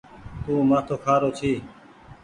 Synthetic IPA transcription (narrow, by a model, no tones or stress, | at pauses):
t̪uːmãːt̪ʰoːkʰaːɾoːt͡ʃʰiː